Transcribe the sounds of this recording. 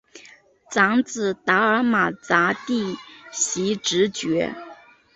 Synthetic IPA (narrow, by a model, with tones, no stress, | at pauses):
t͡sɑ˧˥ŋt͡sɹ̩˨˩t̪a˧˥ə˞˧˥ma˨˩t͡sa˧˥t̪i˥˩ɕi˧˥ʈ͡ʂɻ̩˧˥t͡ɕɥɛ˧˥